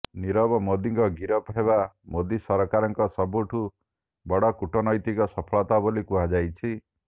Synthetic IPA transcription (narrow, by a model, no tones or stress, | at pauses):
niɾɔbɔmod̪iŋkɔɡiɾɔpɔɦebamod̪isɔɾɔkaɾɔŋkɔsɔbuʈʰu | bɔɽɔkuʈɔnɔjt̪ikɔsɔpʰɔɭɔt̪abolikuɦad͡ʒajt͡ʃʰi